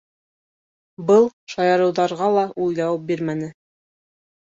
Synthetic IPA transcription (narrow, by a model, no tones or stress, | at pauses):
bɤlˠʃɑjɑɾɤ̆wðɑɾʁɑlˠɑʔujlˠɑwɤp̚biɾmænɘ